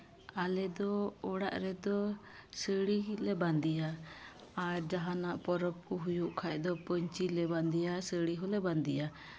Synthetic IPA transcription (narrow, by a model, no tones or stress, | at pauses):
alɛd̪ɔɔɽa̰ʔɾɛd̪ɔ | səɽilɛband̪ija | aɾd͡ʒaɦanaʔpɔɾɔp̚kuɦujuʔkʰac̚ˀd̪ɔpəɲt͡ʃilɛband̪ijasəɽiɦɔlɛband̪ija